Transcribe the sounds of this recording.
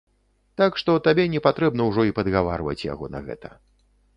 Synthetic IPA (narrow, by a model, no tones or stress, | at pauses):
t̪akʂt̪ɔt̪abʲɛnʲɛpat̪ɾɛbnɐwʐɔipɐd̪ɣava̰rvɐ̰t͡sʲja̰ɣɔnɐ̰ɣɛ̰t̪ɐ